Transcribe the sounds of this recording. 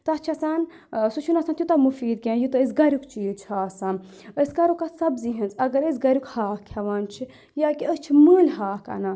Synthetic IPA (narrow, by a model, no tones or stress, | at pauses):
t̪ɐɐt͡ʃʰɐsaːn | sut͡ʃʰunɐsant̪jut̪ɐmufiːd̪̚kʲẽːjut̪ɐisɡɐɾʲukt͡ʃʰit͡ʃʰhaːsan | əskɐɾukasɐbziɦɨnt͡sɐɡɐɾəsɡɐɾukhaːkʰɐʋaːnt͡ʃʰi | jaːkiəst͡ʃʰimɨːlʲɦaːkɐ̰na